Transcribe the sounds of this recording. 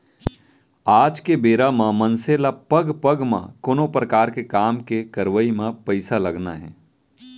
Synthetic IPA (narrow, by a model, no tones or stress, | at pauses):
aːd͡ʒkebeːɾamãmə̃nselapəɡpəɡmã̰koːnopɾəkaːɾkekaːmkekəɾʋəimẽpəɪsaləɡna̰ɦɛ̰̃ː